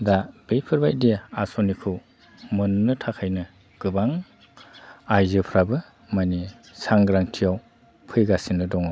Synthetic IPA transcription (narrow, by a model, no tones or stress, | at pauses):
dab̥ejpʰɯɾbajdijaasɔnikʰɯ | mɯnnɯtʰakʰajnɯ | ɡ̥ɯbaŋ | ajzɯpʰɾabɯ | mani | saŋɡɾaŋtʰijaw | pʰɯjɡasinːɯdɔŋa